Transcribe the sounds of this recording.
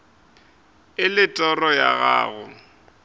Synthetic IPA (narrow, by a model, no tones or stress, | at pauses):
ɪlɪtʼɔrɔjaɣa̰ːɣʊ